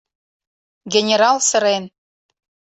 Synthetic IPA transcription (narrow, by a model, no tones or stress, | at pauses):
ɡʲenʲeɾɑlˠsɤ̆ɾen